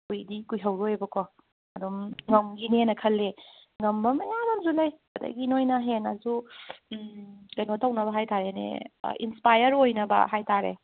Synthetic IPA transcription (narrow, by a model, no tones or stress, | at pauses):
kujdikujɦɐwɾojebɐkʰɔ | ɐdomŋɐmɡinenɐkʰɐlːe | ŋɐmbɐmɐjabɐmzulɐj | ɐdɐ̰ɡinojnɐɦenazu | ɡɐnotʰɐwnɐbɐɦajtʰaɾenḛḭnspajɐɾojnɐbɐ̰ɦajtʰaɾḛ